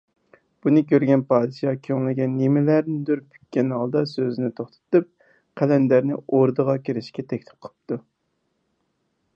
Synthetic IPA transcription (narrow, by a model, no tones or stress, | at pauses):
b̥unɨkʲʰøɾɡʲɛnpɑːd̪ɨʃɑkʲʰøŋlɪɡʲɛnːemɪlæɾnɪd̪øɾpʰːy̥kʲːɛnhɑlˠd̪ɑsøzɪnɪt̪ʰoχt̪ʰɨ̥t̪ɨp̚ | qʰælɛnd̪æɾnɪ̰oɾd̪əʁɑkʲiɾɪʃkʲɛt̪ʰɛkʲlɪ̥p̚qʰəɨp̚t̪ʰu